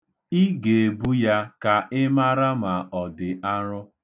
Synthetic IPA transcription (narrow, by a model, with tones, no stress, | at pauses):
i˦ɡe˨e˨bu˦ja˦ka˨ʔɪ˦ma˦ɾa˦ma˨ɔ˨dɪ˨a˦ɾʊ˦